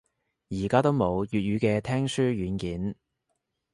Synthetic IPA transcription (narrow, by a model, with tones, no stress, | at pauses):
jiː˨˩kaː˥t̪o˥wmo˨˧wjyː˨t̚jyː˨˧kɛː˧t̪ʰɛː˥ŋsyː˥ɥyː˨˧˥nkiː˨˥n